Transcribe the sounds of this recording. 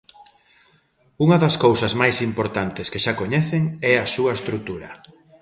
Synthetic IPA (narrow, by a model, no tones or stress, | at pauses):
uŋɐðɐskowsɐzmajsimpoɾt̪ant̪ɪskeʃakoɲɛθeŋɛɐsuɐest̪ɾut̪uɾɐ̰